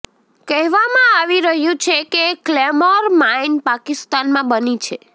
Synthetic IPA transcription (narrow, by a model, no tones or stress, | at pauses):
kɛɦʋamãaʋiɾəɦjũt͡ʃʰekeklemoɾmainpakist̪anmãbənit͡ʃʰe